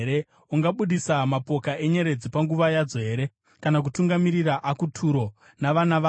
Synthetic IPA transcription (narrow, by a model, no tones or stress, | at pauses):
ɾe | uŋɡaɓuɗisamapo̞kaʔe̞ɲe̞ɾe̞d͡zipaŋɡuʋajad͡zo̞ɦe̞ːɾe̞ | kanak̬utuŋɡamiɾiraʔakutʰuɾo̞ | naʋanaʋa